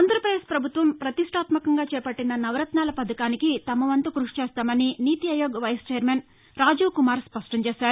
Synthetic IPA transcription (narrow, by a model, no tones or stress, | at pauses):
nd̪ɐɾɐpɾɐd̪eːspɾɐbʱut̪ʋɐmpɾɐt̪iʂʈʰaːt̪mɐkɐŋɡaːt͡ʃɛːpɐʈːinɐnɐʋɾɐt̪naːlɐpɐd̪ʱɐkaːnikit̪ɐmɐʋɐnt̪ukɾuʂi̥t͡ʃeːst̪aːmɐniniːt̪iɐjoːɡɐʋɐjst͡ʃɛːɐɾmeːn | ɾaːd͡ʒuːkumaːɾspɐʂʈɐɲt͡ʃeːʃaːɾu